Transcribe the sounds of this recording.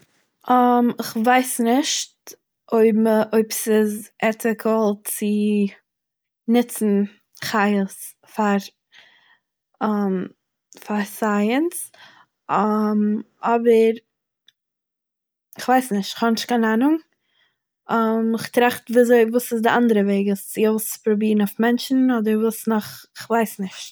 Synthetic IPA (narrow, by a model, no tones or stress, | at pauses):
ʔəmɪχvaɪsnɪʃt | ʔoɪbʔoɪpsɪzɛtɪkʰəlˠt͡sɪ | nɪt͡sn̩ | χaɪs | faɾ | əm | faɾsaɪəns | m | ɔbəɾ | ɪχvaɪsnɪʃtɪ̥χhɔnɪʃtkanaːnʊŋ | ɔmɪχtɾaχtviːzoɪvuːsɪsdɪʔandəɾəveɪɡɪst͡sɪoʊspɾɔbiːɾnofmɛnt͡ʃn̩ɔdəɾvuːsnɔχɪχvaɪsnɪʃt